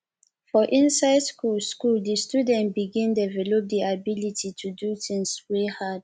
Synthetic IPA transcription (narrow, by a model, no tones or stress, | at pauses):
fɔʔĩnsaɪdskulskuldistjudɛ̃ntbiɡĩndɛvɛlɔp̚diabilitʰitʰuduθĩŋswehad̥̚